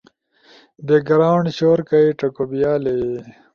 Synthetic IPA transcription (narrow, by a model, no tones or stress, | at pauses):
d̪eɡɐɾaːɳɕoːɾkaiʈɐkobijaːle